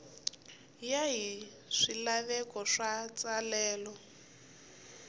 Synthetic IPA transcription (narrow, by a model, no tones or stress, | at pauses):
jaɦi | ʂilaβɛkɔʂat͡sʼalɛːlɔ